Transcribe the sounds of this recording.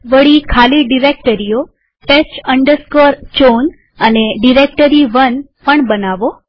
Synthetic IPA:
ʋəɭikʰaliɖiɾek̚ʈəɾijo | ʈest͡ʃəɳɖəɾskoɾt͡ʃon | əneɖiɾek̚ʈəɾiʋən | pəɳbənaʋo

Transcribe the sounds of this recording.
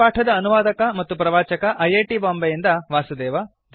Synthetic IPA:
aːʈʰɐd̪ɐːnuʋaːd̪ɐkɐmɐt̪ːupɾɐʋaːt͡ʃɐkɐʔɐjeːʈiːbaːmbɐjind̪ɐʋaːsud̪ɛːʋɐ | d̪

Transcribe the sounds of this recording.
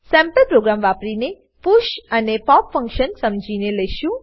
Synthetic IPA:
sɛ̃mpəlpɾoɡɾamʋapɾine | puʃənepɔpfə̃ŋkʃənsəmd͡ʒʱineləjʃũ

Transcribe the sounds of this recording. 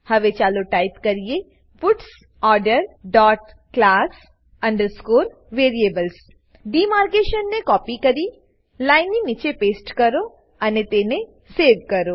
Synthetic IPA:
həʋet͡ʃaloʈajpkəɾije | pʊʈs | ɔɾɖəɾɖɔʈ | klas | əɳɖəɾskoɾ | ʋeɾiebəls | ɖimaɾkeʃənːekɔpikəɾi | lajnːinit͡ʃepeːsʈkəɾo | ənet̪ene | seɾʋkəɾo

